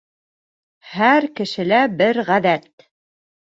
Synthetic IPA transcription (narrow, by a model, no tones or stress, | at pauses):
hæɾkɘ̆ʃɘ̆læbɘɾʁæðæt̪